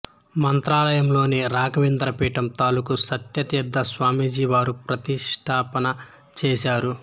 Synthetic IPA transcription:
mɐnt̪ɾaːlɐjɐmlo̞ːniɾaːɡɐʋind̪ɾɐpiːʈɐmt̪aːlukusɐt̪jɐt̪iɾd̪ʱːɐsʋaːmiːd͡ʒiːʋaːɾupɾɐt̪iʂʈʰaːpɐnɐ | t͡ʃɛːʃaːɾu

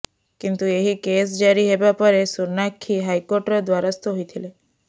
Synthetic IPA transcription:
kint̪ueɦikes̬d͡ʒaɾiɦebapɔɾesuɾnakʰːiɦajkoɾʈɾɔd̪waɾɔst̪oɦojt̪ʰile

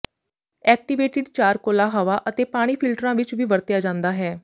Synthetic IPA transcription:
ɛːk̚ʈɪʋeːʈɪɖt͡ʃaːɾkoːlaɦaʋaʔət̪eːpaːɽ̃iːpʰɪlʈɾãːʋɪt͡ʃʋiːʋəɾt̪jaːd͡ʒãːnd̪aːɦɛː

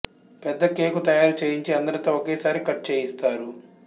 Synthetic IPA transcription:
pɛd̪ːɐke̞ːkut̪ɐjaːɾut͡ʃeːjiɲt͡ʃiɐnd̪ɐɾɐt̪oːokeːsaːɾikɐʈ̚ːt͡ʃeːjist̪aːɾu

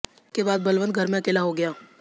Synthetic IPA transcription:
kebaːd̪̚bɐlʋə̃n̚ɡʱɐɾmẽɐkeːlaɦoɡɐjaː

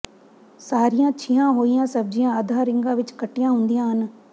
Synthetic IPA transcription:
saːɾijãːt͡ʃʰɪjãːɦoːijãːsəb̚d͡ʒijãːad̪ʱaːɾɪŋɡãːʋɪt͡ʃkəʈːijãːɦʊ̃nd̪ɪjãːɦən

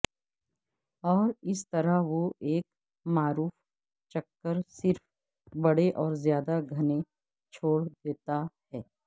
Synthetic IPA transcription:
ɔːɾɪst̪ɐɾaɦʋoʔeːk | maːɾuːf | t͡ʃɐkːəɾsɪɾf | bɐɽeʔɔːɾzjaːd̪aɡʱɐne | t͡ʃʰoːɽd̪eːt̪ahɛː

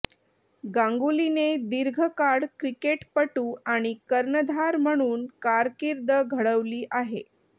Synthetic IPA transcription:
ɡãŋɡulined̪iɾɡʱəkaɽkɾikeʈpəʈuːaɽ̃ikəɾnəd̪ʱaɾm̤əɽ̃uːnkaɾkiɾd̪ʱəɡʱəɽəʋliːʔaɦḛ

